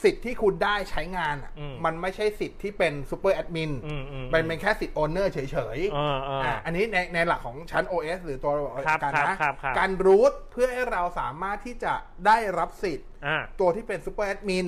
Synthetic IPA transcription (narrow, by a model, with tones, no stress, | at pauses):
si˨˩t̪ʰːiː˥˩kʰu˧ndaː˥˩jt͡ɕʰa˦˥jŋaː˧nʔa̰˨˩˧ma˧nma˥˩jt͡ɕʰa˥˩jsi˨˩t̪ʰːiː˥˩pe˧nsu˦˥pːɤː˥˩ʔɛ˦˥t̪̚mi˧n˧˩ma˧npe˧nkʰɛː˥˩si˨˩t̪̚ʔɔː˧nɤː˥˩t͡ɕʰɤː˩˦jt͡ɕʰɤː˩˦jːʔa˧˩ʔa˧nːiː˦˥na˧jna˧jla˨˩kʰːɔː˩˦ŋt͡ɕʰa˦˥nʔoː˧ʔeː˦˥s̚ɾɯː˩˦t̪u˧ɐɾa˨˩˧a˧ka˧nː˧a˦˥˦kaː˧nɾuː˦˥t̪̚pʰɯ˥˩ɐha˥˩jɾa˧wsa̰ː˩˦maː˥˩t̪ʰːiː˥˩t͡ɕa˨˩ | daː˥˩jɾa˦˥p̚si˨˩t̪ʔaː˧˩u˧ɐt̪ʰiː˥˩pe˧nsuː˧˦˥pɤː˥˩ʔɛ˦˥t̪̚mi˧n